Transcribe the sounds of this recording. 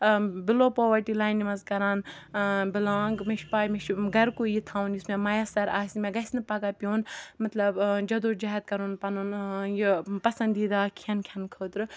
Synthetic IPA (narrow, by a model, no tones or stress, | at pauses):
bɪloːpoːʋɐɾʈilaːjnːimɐzkɐɾaːnbɪlaːŋɡmiʃpaːjmiʃɡɐɾkujit̪ʰaːwunjusmemɐjasɐɾaːsʲimeɡɐsʲnɨpɐɡaːpʲjoːnmɐt̪lɐbd͡ʒɐd̪oːd͡ʒaɦɐt̪̚kɐɾuːnpɐnunjipɐsɐnd̪iːd̪aːkʰɐnkʰʲɐnkʰəːt̪ɾɨ